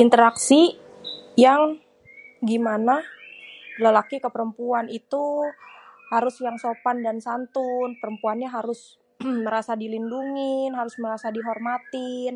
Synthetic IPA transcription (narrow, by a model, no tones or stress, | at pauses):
ʔint̪əɾaksi | jaŋ | ɡimana | ləlakikəpəɾəmpuanit̪u | haɾʊsjaŋsopandansant̪unpəɾəmpuanɲaɦaɾʊs | məɾasadilinduŋɪnɦaɾʊsməɾasadiɦɔrmat̪ɪn